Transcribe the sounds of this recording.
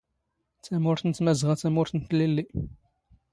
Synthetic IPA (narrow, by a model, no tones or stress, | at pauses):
t͡sːæmʊɾθənt͡s̪ːmæzʁat͡sːæmʊɾθənt̪ːlilːi